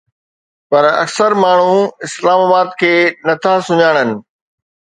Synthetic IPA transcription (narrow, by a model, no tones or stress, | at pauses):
pɐɾɐ̰ksəɾmaːɳ̤uɪslaːmaːbaːd̪kʰeːnɐt̪ʰasʊɲaːɽ̃ənɪ̆